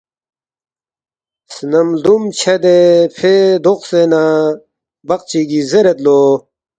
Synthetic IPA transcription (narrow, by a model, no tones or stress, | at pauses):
snɐmlumt͡ɕʰed̪epʰed̪oqsena | bɐq̚t͡ɕiɡizeɾet̪lo